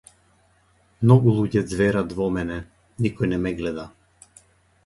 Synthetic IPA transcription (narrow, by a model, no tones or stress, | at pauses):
mnɔɡulˠuɟɛd̪zvɛɾad̪vɔmɛnɛ | nikɔjnɛmɛɡlɛd̪a